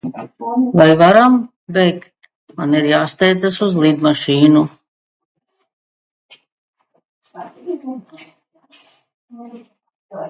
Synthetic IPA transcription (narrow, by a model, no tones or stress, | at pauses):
vajvaɾam | bɛjk | maniɾjaːst̪ɛjd̪zasuzlid̪maʃiːnu